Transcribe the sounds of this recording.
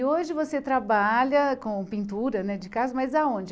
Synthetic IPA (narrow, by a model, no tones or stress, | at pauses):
oʒɪvoset̪ɾabaʎɐkõpĩnt̪uɾɐnɛd͡ʒɪkazʊmɐjzaõd͡ʒɪ